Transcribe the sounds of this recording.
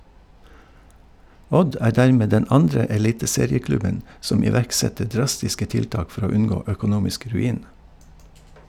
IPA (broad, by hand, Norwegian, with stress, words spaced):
ˈɔd ˈæː ˈdæːɹˌmeː ˈdɛn ˈɑndɹə ɛˈliːtəˌseːɾɪəˌklʉbən ˈsɔm ɪˈʋæɹkˌsɛtə ˈɖɹɑstɪskə ˈtɪlˌtɑːk ˈfɔɾ ˈoː ˈʉnˌɡoː œkʊˈnuːmɪsk ɾʉˈiːn